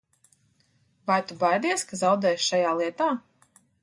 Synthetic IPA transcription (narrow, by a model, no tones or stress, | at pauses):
vajt̪ubajd̪iɛskazawd̪ɛːjʃʃajaːlˠiɛt̪aː